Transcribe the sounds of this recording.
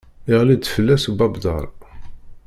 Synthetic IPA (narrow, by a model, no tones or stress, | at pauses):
ɪʁlid̪fəlːæsbɑbd̪ˤɑ̰ɾˤ